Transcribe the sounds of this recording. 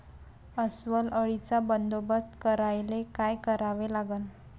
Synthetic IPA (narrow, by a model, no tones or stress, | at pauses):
əsʋələɭit͡sabənd̪obəst̪kəɾajlekajkəɾaʋelaɡən